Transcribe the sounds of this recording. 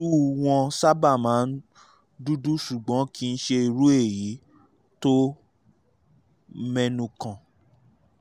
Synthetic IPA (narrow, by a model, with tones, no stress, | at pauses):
u˦w̃ɔ̃˧sa˦ba˦˨mãː˨˦n̩˦ | du˦du˦ʃu˨ɡ͡bɔ̃˨˦ki˦˧n̩˦ʃe˧i˧ɾu˦e˦˨ji˨˦ | to˦ | mɛ̃˧nũ˧kã˨